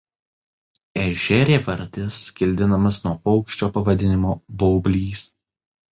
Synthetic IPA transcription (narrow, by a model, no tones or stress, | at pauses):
ɛʒʲɛɾʲeːʋɐɾʲd̪ʲɪskʲɪlʲd̪ʲɪnɐmɐsnuɔpɔʊkʃʲt͡ʃʲoːpɐʋɐd̪ʲɪnʲɪmoːbɔːbʲlʲiːs